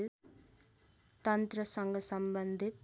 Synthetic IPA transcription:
t̪ʌnt̪ɾʌsʌŋɡʌsʌmbʌnd̪ʱit̪̚

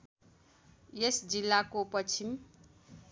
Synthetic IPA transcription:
jesd͡zilːakopʌt͡sʰim

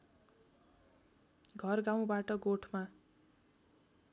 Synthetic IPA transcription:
ɡʱʌrɡaw̃baʈʌɡoʈʰma

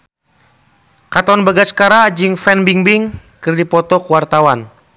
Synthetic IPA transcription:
kat̪ɔnbaɡaskaɾad͡ʒɨŋfɛnbiŋbiŋkɨrdipɔt̪ɔkuwart̪awan

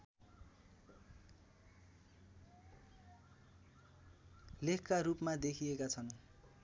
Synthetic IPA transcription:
lekʰkaɾupmad̪ekʰiekat͡sʰʌn

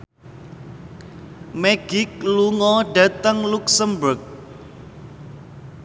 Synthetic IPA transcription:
meɡ̥ɪk̚luŋɔɖä̤t̪əŋluksəmbʊrk̚

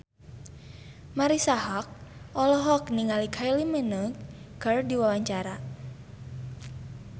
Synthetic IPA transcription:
maɾisaɦak̚ʔɔlɔɦɔkniŋalikʰailimənəɡərdiwawaɲt͡ʃaɾa

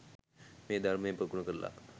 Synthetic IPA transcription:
med̪ʱaɾmẽpəkuɳəkəɾla̰

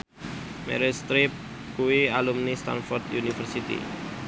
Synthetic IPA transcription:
mɛ̰ɾist̪ɾɪp̚ | kuwialumnist̪a̰nfɔrt̪junifərsit̪ḭ

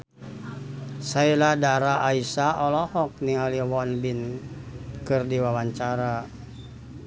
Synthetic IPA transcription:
sailadaɾaʔːisaɔlɔhɔk̚niŋaliwɔnbin | kɨrdiwawaɲt͡ʃaɾa

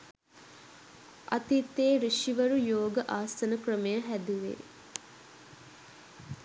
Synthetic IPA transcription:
ʔa̰t̪it̪ːeːɾiʃiʋəɾujoːɡəʔaːsənəkrəmejəɦæd̪uʋḛː

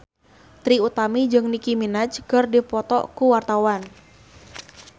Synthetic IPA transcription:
t̪ɾiut̪amid͡ʒɨŋnikiminat͡ʃkərdipɔt̪ɔ̰ʔkuwart̪awan

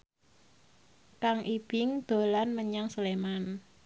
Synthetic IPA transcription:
kaŋʔib̥ɪŋd̪̥o̤lanməɲaŋsəleman

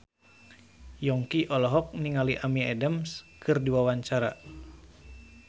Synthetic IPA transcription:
jɔŋkiʔɔlɔɦɔk̚niŋaliʔamiɛdəmskɨrdiwawaɲt͡ʃaɾa̰

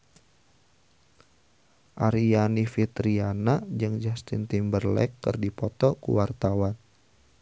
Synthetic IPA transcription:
ʔaɾianifit̪ɾianad͡ʒɨŋd͡ʒast̪int̪imbərlɛ̰kːɨ̰rdipɔt̪ɔkṵwart̪awan

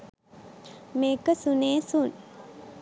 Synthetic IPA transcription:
mekəsuneːsun

